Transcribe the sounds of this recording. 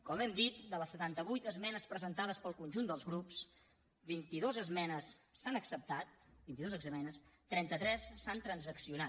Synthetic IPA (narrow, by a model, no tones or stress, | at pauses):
kɔmɛmd̪it̪̚d̪ələsːət̪ant̪əβujt̪əzmɛnəspɾəzənt̪aðəspəlˠkunʲʒund̪əlˠzɣɾups | bint̪iðozəzmɛnəsːanəksəp̚t̪at̪̚bint̪iðozəɡzəmɛnəst̪ːɾɛnt̪ət̪ɾɛsːant̪ɾənzəksiuna